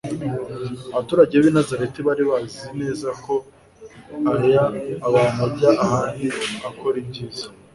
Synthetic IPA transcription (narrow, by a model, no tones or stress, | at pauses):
aβatuːɾaɟeβenazaɾetiβaɾiβazine̞ːzako̞ | aɾijaːβamaɟaʔahaːndiakʰo̞ɾibɟiːzḁ